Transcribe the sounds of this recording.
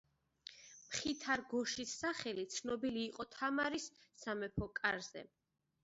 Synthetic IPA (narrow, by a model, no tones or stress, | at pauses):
mχit̪ʰaɾɡɔʃisːaχɛlit̪sʰnɔbiliːqʼɔt̪ʰamaɾisːamɛpʰɔkʼaɾz̥ɛ̰